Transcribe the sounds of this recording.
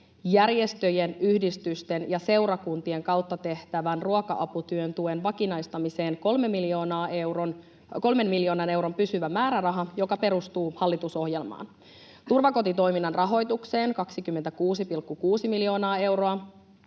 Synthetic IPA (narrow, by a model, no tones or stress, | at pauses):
jærje̞st̪ø̞jenyhdist̪yst̪enjɑse̞wɾɑkunt̪ie̞ŋkɑwt̪ːɑt̪e̞ht̪æʋænruɑkɑ̰ʔɑput̪yønt̪uenʋɑkinɑjst̪ɑmise̞ːnko̞lmemːiljo̞ːnɑːewron | ko̞lme̞nmiljo̞ːnɑne̞wɾo̞mpysyʋæmæːɾærɑɦɑjo̞kɑpe̞ɾust̪uːhɑlːit̪uso̞ɦje̞lmɑ̰ːn | t̪urʋɑko̞t̪it̪o̞jminːɑnrɑɦo̞jt̪ukse̞ːŋkɑksikymːent̪ækuːsipilkːukuːsimiljo̞ːnɑːe̞wɾo̞ɑ